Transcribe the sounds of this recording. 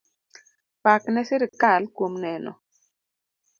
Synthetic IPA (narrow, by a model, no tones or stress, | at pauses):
paknɛsɪɾɪkalkwomnɛnɔ̰